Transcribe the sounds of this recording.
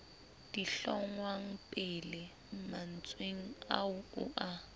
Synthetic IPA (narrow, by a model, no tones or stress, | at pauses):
d̥iɬɔŋwaŋ̩pʼɪlɪ | m̩man̩t͡sʼweŋ̩a̰ʊʊ̰ʔa